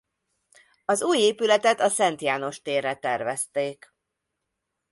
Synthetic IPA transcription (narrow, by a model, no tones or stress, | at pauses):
ɒzuːjeːpylɛt̪ɛt̪ɒsɛnt̪jaːno̞ʃt̪eːrːɛt̪ɛrvɛst̪eːk